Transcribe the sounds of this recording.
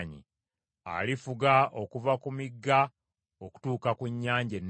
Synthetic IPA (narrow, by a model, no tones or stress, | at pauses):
ɲḭ | a̰lifuɡao̞kuvakumiɡːa | oku̥tuːkakuɲːaːɲɟenː